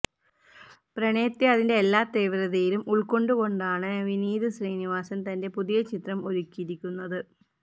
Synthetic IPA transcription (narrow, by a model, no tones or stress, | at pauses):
prɐɳeːt̪ːjeɐðinde̞ːlːaːt̪eːʋɾɐðejilumuɭko̞ɳɖuko̞ɳɖaːɳɨʋiniːðɨsriːniʋaːsɐmt̪ɐnde̞puðijɐt͡ɕit̪rɐmo̞ɾukʲːiɾikʲːunːɐðɨ